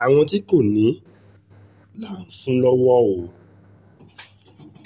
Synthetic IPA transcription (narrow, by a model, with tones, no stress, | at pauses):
a˨w̃ɔ̃˧t̬i˦ko˦˨nĩ˨˦ | laː˦˨n̩˨˦sũ˦lɔ˦wɔ˦o˨